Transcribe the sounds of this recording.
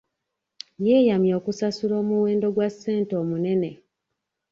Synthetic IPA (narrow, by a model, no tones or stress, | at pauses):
jeːjamjo̞ːkusasuɾo̞ːmuwe̞ːndo̞ɡwasːe̞ːnto̞ːmune̞ne̞